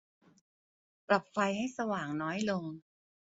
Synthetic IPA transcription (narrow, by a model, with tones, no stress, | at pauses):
pɾa˨˩p̚fa˧jha˥˩jsa˧waː˨˩ŋnɔː˦˥jlo˧ŋ